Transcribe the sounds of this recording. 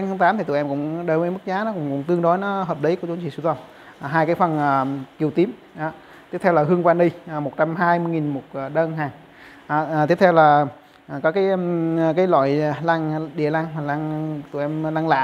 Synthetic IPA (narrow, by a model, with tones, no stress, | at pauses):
ŋʰa˨˦ŋt̪aː˨˦mt̪ʰi˨˩t̪ṵ˧˨ʔɛ˧mkʊ̰˧˥ŋ͡mɗəː˧˩jmə˧˦mɨ˦˥k̚zaː˨˦nɔ˨˦kʊ̰˧˥ŋ͡mkʊ̰˧˥ŋ͡mt̪ɨ˧əŋɗo˨˦jnɔ˨˦ɦəː˨˩p̚ɗə˨˦jku˧˩˦t͡ɕu˨˦ŋ͡mt͡ɕḭ˧˩su˧˩t̪wə˧˩ŋ͡m | ɦaː˧jkaː˨˦jfə˨˩nʔːki˨˩əwt̪i˨˦m | ʔaː˨˩ | t̪i˦˥ət̪ʰɛ˧wlaː˨˩hɨ˧əŋkwaː˧nɗi˧ʔmo˨˩t̚t͡ɕa˧mɦaː˧jmɨ˧jŋi˨˩nmo˨˩t̚ːɗəː˧nɦaː˨˩ŋ | ʔa˨˩t̪i˦˥əp̚t̪ʰɛ˧wlaː˨˩˨ | kɔː˨˦kaː˨˦jkaː˨˦jlwa̰ː˧˨jlaː˧ŋɗḭ˧˨la˧ŋ˨˩la˧ŋt̪ṵ˧˩ʔɛ˧mlaː˧ŋla̰ː˧˨